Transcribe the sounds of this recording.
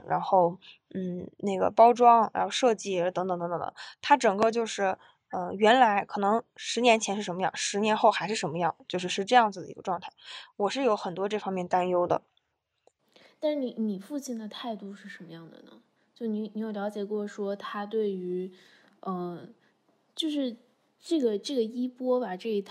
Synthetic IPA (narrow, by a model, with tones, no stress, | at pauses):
ɻa̰˧˥nxo˥˧ʊ | n̩˥˩ne˥˩ɡə̰˩pɑ˥ʊʈ͡ʂwɑ˥ŋɻa̰˧˥xo˥˧ʂɤ˥˧t͡ɕi˥˩ə˧˥t̪ɤ˧˥ŋt̪ɤ˧˩ŋt̪t̪ŋ˥ə̰˧˦t̪ʰa˥ʈ͡ʂɤ˨˩ŋkə˥˧t͡ɕjo˥˧ʊʂɻ̩˥˩ | ə˧ɥɛ˧˥nla˧˥ɪkʰɤ˨˩nɤ˧˥ŋʂɻ̩˧˥njɛ˧˥nt͡ɕʰjɛ˧˥nʂɻ̩˥˩ʂə˧˥nmə˧jɑ˥˩ŋʂɻ̩˧˥njɛ˧˥nxo˥˩ʊxa˧˥ɪʂɻ̩˥˩ʂə˧˥nmə˧jɑ˥˩ŋ˩t͡ɕjo˥˧ʊʂɻ̩˥˧ʂɻ̩˥˧ʈ͡ʂɤ˥˧jɑ˥˩ŋd͡z̩˩d̪ə̰˩ḭ˧˥ɡə˧ʈ͡ʂwɑ˥˧ŋt̪ʰa˥˩ɪwɔ˨˩ʂɻ̩˥˩jo˧˥ʊxə˨˩nt̪wɔ˥ʈ͡ʂɤ˥˩fɑ˥ŋmjɛ˥˩nt̪a˥njo˥ʊd̪ə̰˨ | t̪a˥˧nʂɻ̩˥˩ni˧˥ni˨˩fu˥˧t͡ɕʰi˥˩nd̪ə˩t̪ʰa˥˧ɪt̪u˥˧ʂɻ̩˥˩ʂə˧˥nmə˧jɑ˥˩ŋd̪ə̰˩nə̰˩ | t͡ɕjo˥˩ʊni˧˥ni˧˥jo˨˩ljɑ˧˥ʊt͡ɕjɛ˨˩kwɔ˥˩ʂwɔ˥t̪ʰa˥t̪̬we˥˩ɪy˧˥ | ə˧˩ | t͡ɕjo˥˧ʊʂɻ̩˥˧ | ʈ͡ʂɤ˥˩ɡə˩ʈ͡ʂɤ˥˩ɡə˩i˥pwɔ˥ba˨ʈ͡ʂɤ˥˩i˧˥t̪ʰ